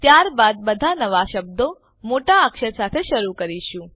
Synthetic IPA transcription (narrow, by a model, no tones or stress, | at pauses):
t̪jaɾbad̪̚bəd̪ʱanəʋaʃəb̚d̪o | moʈaəkʃəɾsat̪ʰeʃəɾukəɾiʃũ